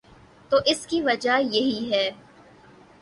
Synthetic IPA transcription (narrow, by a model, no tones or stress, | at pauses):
t̪oːʔɪskiʋɐd͡ʒajɐɦiɦɛː